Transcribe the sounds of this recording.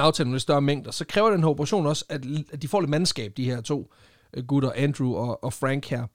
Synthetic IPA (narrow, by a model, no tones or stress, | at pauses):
ɑ̈ʊt͡sʰɛ̰ːlnmlesd̥ɶɐmeŋ̰d̥ɐsɒ̽kʰʁɛːʊɐdɾ̥enhæɐob̥ʰʁɑ̈ɕo̝̰ːnɒ̽sæ̥d̥ifɒ̰ːle̝dmænsɡ̥ɛ̰ːb̥̚d̥iheɐ̰t͡sʰo̝̰ː | ɡ̥uɾɐʔænd̥ʁuɒ̽ːfʁæŋ̰ɡ̥hæɐ̰